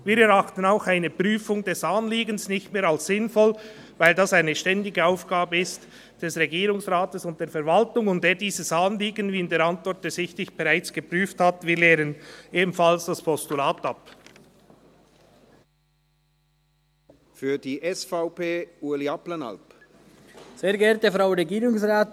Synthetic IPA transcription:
viːɾɛɾaχtən̩aʊxaɪnəpryːfʊŋd̥ɛsaːnliːɡənsnɪçtmeːɾalsːɪnfɔl | vaɪldaːsaɪnəʃtɛndɪɡəaʊfɡ̥aːbəɪst | d̥ɛsʁɛɡiːɾʊŋsʁaːtəsʊnt̚d̥eːfɛɐɾvaltʊŋʊntdeːdiːzəsaːnliːɡənviːɪndeːɾantvɔɾt̚d̥ɛsɪçtɪçb̥ɛʁaɪt͡sɡ̥əpʁ̥yːfthatviːɾleːɾəneːbm̩falsd̥aspʰɔstulaːtap | fyːɐdiːʔɛsfaʊpeːuːɐliapləna̰lp | z̥eːɐɡɛɐtəfʁaʊɾeɡiːʁʊŋsʁaːt

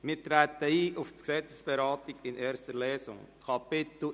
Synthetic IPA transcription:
mɪːɾtɾæːt̪əiːʔʊftksɛt͡sə̥sb̥ɛɾɑːtɪɡɪneːɾstəɾlɛːsʊ̰ŋkʰɑpɪtl̩

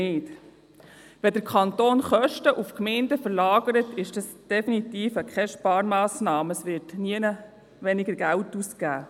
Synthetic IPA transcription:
ɪːt | ʋɛdəɾkʰχɑnt̪oːnχœʃtəʔufkmɛɪndəfəɾlɑːɡəɾətɪʃd̥ɑsd̥ɛfinit̪iːfəkʰɛʃpɑːɾmɑːsnɑːməsʋɪːtniənə | ʋɛnɪɡəɾɡæwtuskæː

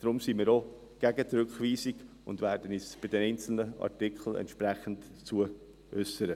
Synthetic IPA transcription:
d̥ɾʊmsimiːɾo | ɡ̥æɡət̪ɾʏkχviːsiɡ̥ | ʊndvæːɾd̥ənisb̥ɪdɛnɛɪnt͡sl̩nəɑ̰ɾtɪkχl̩ɛ̰ntʃpɾɛχən̩t | t͡suə | ʔœsəɾə

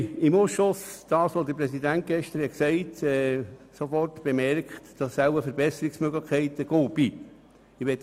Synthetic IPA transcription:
ɪmuslʊsd̥ɑːsʋod̪əpɾɛsidænt̚ɡ̥ɛʃtəɾhɛksɛɪtɛːsofɔrtb̥emɛrkχtd̥ɑsːæləfəɾbɛsəɾiksmøɡləχkʰːɛɪtəɡ̥oːb̥iː | ɪʋɛt̪

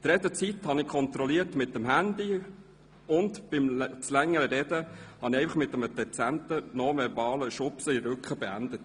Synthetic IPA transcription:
t̪ɾɛdət͡sit̪hɑnɪkʰɔnt̪ɾɔliətmɪtːəmɦænd̪i | ʊntb̥ɪmt͡slɛŋːəɾəɾɛdəhɑnɪɛɪfɑχmɪt̪əməd̥ɛt͡sæntənɔmɛɾvɑːləʃʊpsəiɾʉkχəbɛænd̥̪ət

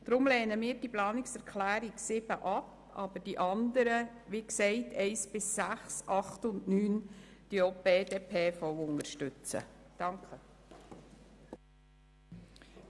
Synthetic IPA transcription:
d̪̥ɾʊmlɛːnəmiːɾd̥iplɑːnɪksɛɾkχlæːɾiksɪb̥əʔɑp | ɑ̰ːbəd̥iʔɑnd̪əɾə | ʋiksɛɪtʰɛɪsbɪsːæχsʔɑχtʊndnyːnd̥iobeːdeːpʰeːfɔwʊŋəɾʃtʏt͡sə̰d̥ɑŋkχə

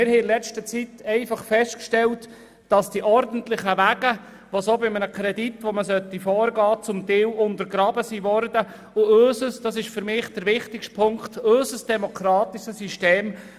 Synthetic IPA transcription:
mɪɾhɛɪlɛt͡ʃtət͡sitɛɪfɑχfɛstkʃtɛlt | d̥ɑsd̥iʔɔɾdən̩tlɪχəʋæɡə | ʋosobɪmənəkʰɾɛditʋoməsœtːifɔːɾɡɑːt͡sʊmt̪ɪːwʊnt̪əɾɡɾɑbəsiʋɔɾdə | ʊøsəsd̥ɑsɪʃfʏɾmɪːχd̥əɾʋɪχtɪkʃtpʰʊŋktøsəsd̥ɛmɔkʰɾɑːtiʃəsyʃteːm

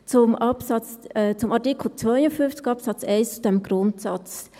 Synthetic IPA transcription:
t͡sʊmɑpsɑt͡sːt͡sʊmʔɑɾtɪkʰl̩t͡svœʏəfynft͡sɡ̥ɑpsɑt͡sɛɪst͡sʊd̥ɛmɡ̥ɾʊntsɑt͡s

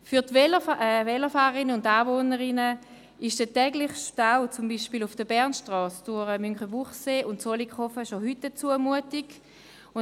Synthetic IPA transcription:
fyɐtvɛlɛvɛləfaːʁəɪnəʊndaːvoːnəʁɪnə | ɪʃd̥ətɛːɡlɪχʃtaʊt͡sʊmbiːʃpilufd̥əbɛʁnʃtʁɔːsd̥uʁəmyŋχəvuχseːʔʊntsolikχɔfəʃohytdət͡suəmuətiɡ | ʊ

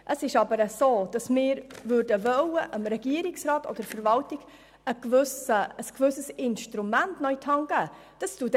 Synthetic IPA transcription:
ʔəsɪʃɑbəɾəsoːd̥ɑsmɪːɾvʉɾdəvœwəʔəmɾɛɡ̥iəɾɪksrɑːtʰo̰d̥̪əɾfəɾvɑltɪɡ̥ | əɡvʉsəəskvʉsəsɪnʃtɾumæntnœʏtʰɑŋɡ̥æ | d̥ɑstuːt

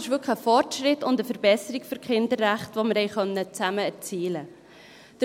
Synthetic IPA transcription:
ɪʃʋʏkχəfɔrtʃɾɪtʊndəfəɾbɛsəɾikføɾkʰɪndəɾːæχtvoməɾhɛɪχœnːət͡sæməɛɾt͡siːlə | d̪̥ə

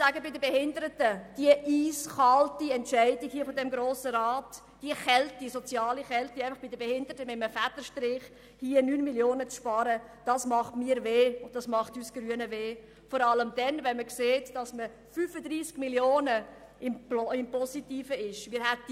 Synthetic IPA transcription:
sæːɡəbɪdəbɛhɪndəɾətəd̥iəʔiːsχɑltiɛntʃæɪdikhiəfɔdɛmɡɾoːsəɾɑːt | d̥iəχɛltisɔt͡sjɑːliχɛltiæɪfɑχb̥idəbɛhɪndəɾətəmɪtməfætəʃtɾɪːχ | hiənyːnmiljoːnət͡sʃpɑːɾəd̥ɑsmɑχtmiːəɾveːʊnttːdɑsmɑχtyːsɡ̥ryənəveː | fɔɾɑləmd̥ɛnvɛnməkseːtd̥ɑsmə | fyːfədɾiːsɡ̥miljoːnə | ɪmɪmpɔsitiːfəɪʃmɪːɾhɛt̚

